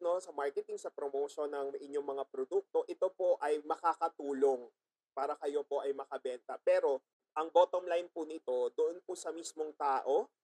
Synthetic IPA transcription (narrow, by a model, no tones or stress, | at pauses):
no̞sɐmaɹkɛt̪ɪŋsɐpɾomowʃonːɐŋʔɪɲjo̞ŋmɐŋapɾod̪uk̚t̪o̞ʔɪt̪o̞po̞ʔɐjmɐkakɐt̪uːlo̞ŋ | paːɾɐkɐjo̞po̞ʔɐjmɐkɐbɛnt̪ɐpɛːɾo̞ | ʔɐŋboːt̪omlajnpʊnɪt̪o̞d̪oʔonpʊsɐmismo̞ŋt̪aːʔo̞